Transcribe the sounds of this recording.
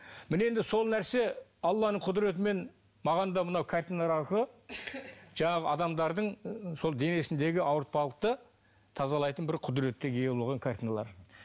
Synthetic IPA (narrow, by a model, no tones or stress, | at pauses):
mɪne̞nd̪ɪso̞lˠnæɾse̞ɑlˠːɑnəɴqʰʊd̪ɾe̞t̪̬ɪme̞n | mɑʁɑnd̪ɑmənɑwkʰaɾt̪inɑɾɑʃə | ʒ̥ɑɴɑʁəɑd̪ɑmd̪ɑɾd̪əɴso̞lˠd̪e̞ne̞sɪnd̪e̞ɡʲɪʔɑwəɾt̪̚pɑlˠəq̚t̪ə | t̪ʰɑzɑlˠɑjt̪ənbɪɾqʰʊd̪ɾe̞t̪ːɪɡʲejelˠʁɑŋkʰaɾt̪ʲinalˠɑɾ